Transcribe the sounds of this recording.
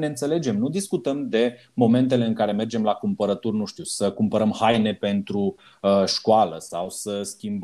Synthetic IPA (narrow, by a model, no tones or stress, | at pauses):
neɨnt̪se̞le̞d͡ʒe̞mnud̪iskut̪əmd̪e̞ | mo̞me̞nt̪e̞le̞ɨnŋkaɾe̞me̞rd͡ʒe̞mlakumpəɾət̪urnuʃt̪iusəkumpəɾəmhajne̞pe̞nt̪ɾu | əʃkoaləsawsəskʲimb